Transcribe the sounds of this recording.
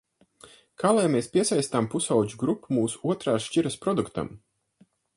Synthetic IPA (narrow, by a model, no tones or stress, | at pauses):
kʰaːlˠajmeːspʲiɛsajst̪ampusawd͡ʒuɡɾupːumuːsu̥uɔt̪ɾaːʃciɾɐspɾɔd̪ukt̪a̰m